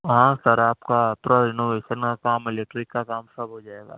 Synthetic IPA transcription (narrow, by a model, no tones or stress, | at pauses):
ʋɐɦãsɐɾaːpkapɾɔɪnoːʋeːʃənkakaːmɪlɛk̚ʈɾɪkːakaːmsɐbʱɦod͡ʒaːeːɡa̰ː